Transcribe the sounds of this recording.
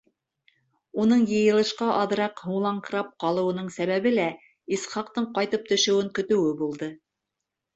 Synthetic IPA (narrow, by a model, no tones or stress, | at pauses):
unɤɴjɤ̆jɤ̆lˠɤ̆ʃqɑʔɑðɤ̆ɾɑqhuɴlˠɑɴqɤ̆ɾɑp̚qɑlˠɤ̆wɤ̆nɤɴsæβæβɘlæ | isχɑqt̪ɤɴqɑjt̪ɤp̚t̪ɵ̆ʃɵ̆wɘŋkɵ̆t̪ɵ̆wɘbulˠd̪ɤ